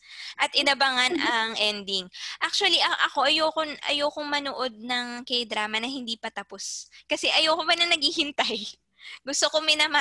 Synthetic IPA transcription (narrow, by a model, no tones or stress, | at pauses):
ʔɐt̪̚ʔɪnɐbɐŋanʔɐŋʔɛnd̪ɪŋʔak̚t͡ʃʊɐliʔɐʔɐko̞ʔɐjoːkonʔɐ̰joːkoŋmɐnoʔo̞d̪̚nɐŋkɐjd̪ɾaːmɐnɐhɪnd̪iːpɐt̪ɐpo̞skɐsɛʔɐjoːkobɐnɐnɐɡhiːhɪnt̪aj | ɡʊst̪okomɪnɐma